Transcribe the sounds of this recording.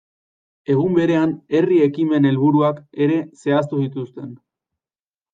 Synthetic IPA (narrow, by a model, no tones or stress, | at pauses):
e̞ɣumbe̞ɾe̞ane̞rie̞kime̞ne̞lβuɾuake̞ɾe̞se̞ast̪usit̪ust̪e̞n